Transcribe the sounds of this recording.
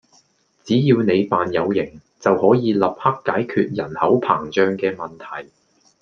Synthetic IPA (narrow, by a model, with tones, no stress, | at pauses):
t͡siː˨˥jiː˧wne˨˧jpaː˨njɐ˨˧wjɪ˨˩ŋ | t͡sɐ˨whɔː˨˥jiː˨˧lɐ˨p̚hɐ˥kːaː˨˥jkʰyː˧t̚jɐ˨˩nhɐ˨˥wpʰa̰ː˨˩ŋt͡ʃœː˧ŋkɛː˧mɐ˨˩nt̪ʰɐ˨˩j